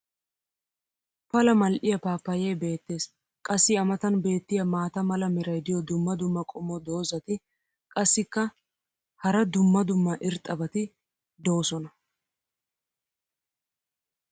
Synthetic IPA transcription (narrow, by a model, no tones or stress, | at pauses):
pɐlɐmɐlʔɪjɐpaːpːɐjeːbe̞ːt̪ːe̞ːs | kʼɐsːɪɐmɐt̪ɐnbe̞ːt̪ːɪjɐmaːt̪ɐmɐlɐmɛɾɐjd̪ɪjɔd̪ʊmːɐd̪ʊmːɐkʼɔmːɔd̪o̞ːzɐt̪ɪ | kʼɐsːɪkːɐ | hɐɾɐd̪ʊmːɐd̪ʊmːɐʔɪɾt̪ʼɐbɐt̪ɪ | d̪o̞ːsɔnɐ